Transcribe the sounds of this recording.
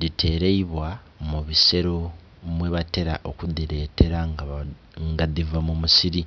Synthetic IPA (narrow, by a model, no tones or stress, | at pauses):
ɾitʰe̞ːɾeiβwa | muβise̞ɾo | mweβate̞ɾa̰ʔokudiɾe̞ːtʰe̞ɾaŋ | ŋɡadivamumusiɾi